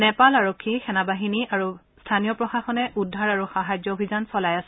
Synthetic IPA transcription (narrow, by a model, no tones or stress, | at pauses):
nɛpalaɹokʰːixɛnabaɦiniaɹu | stʰanijɔpɹɔxaxɔnɛʔudʱːaɹaɹuxaɦajd͡ʒɔobʱizansɔlajasɛ